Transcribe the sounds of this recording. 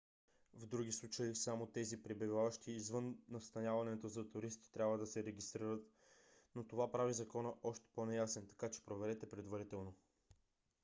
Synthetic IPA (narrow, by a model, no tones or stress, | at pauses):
vd̪ɾuɡislˠut͡ʃəisamot̪ɛzipɾɛbivavɐʃt̪iːzvɤnːɐst̪ɐnʲjavɐnɛt̪ozɐt̪ʊɾist̪i̥t̪ɾʲabvəd̪ɐsɛɾɛɡist̪ɾiɾət̪ | not̪ovapɾavizɐkɔnəʔɔʃt̪ɛ̥ponɛjasɛnt̪ɐ̥kat͡ʃɛ̥pɾovɛɾɛt̪ɛpɾɛd̪vɐɾit̪ɛlˠno